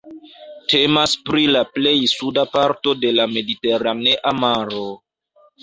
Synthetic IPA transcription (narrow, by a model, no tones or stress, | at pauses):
tʰe̞maspɾilaple̞jsudapaɾto̞de̞lame̞dite̞ɾaneʔamaɾo